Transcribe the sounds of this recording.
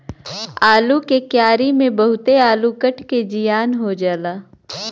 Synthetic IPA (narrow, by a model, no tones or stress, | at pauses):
aːlukekjaːɾimẽbɐɦʊt̪eaːlukəʈʰked͡ʒijaːnɦod͡ʒaːlaː